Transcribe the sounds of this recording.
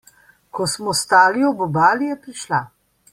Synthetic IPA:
kɔsmɔst̪aːliɔbɔbaːlijɛpɾiʃla

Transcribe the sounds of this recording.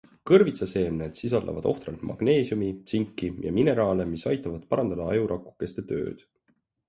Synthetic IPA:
kɤrvit̪sɑse̞ːmned̪̥sisɑld̪ɑ̰vɑ̰d̪̥o̞ht̪rɑlt̪mʔɑ̰ɡ̥ne̞ːsjumisiŋkːijɑ̰mine̞ɾɑːlemisɑjt̪ːˑɑvɑd̪̥pɑɾɑnd̪ɑd̪ɑɑjuɾɑkːˑu̥kːˑe̞st̪e̞t̪ø̞̰ːd̪̥

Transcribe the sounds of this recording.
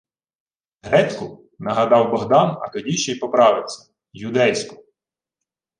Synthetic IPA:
ɦɾɛtʲkʊ | nɐɦɐd̪ɑwbɔɦd̪ɑnɐ̰t̪ɔdʲiʃt͡ʃɛjpɔpɾɑʋɪwsʲɐ̥ | jʊd̪ɛjsʲkʊ

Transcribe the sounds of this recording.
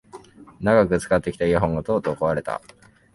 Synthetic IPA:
naɡakɯ̟t͡sɨ̥kat̪ːe̞kʲi̥t̪aiaɦõ̞ŋɡat̪o̞ːt̪o̞ːkoaɾe̞t̪a̰

